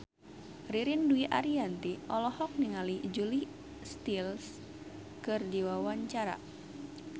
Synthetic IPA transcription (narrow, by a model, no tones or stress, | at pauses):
riɾinduiʔa̰ɾiant̪iʔɔlɔhɔk̚niŋalid͡ʒuli | st̪ils | kɨrdiwawaɲt͡ʃaɾa̰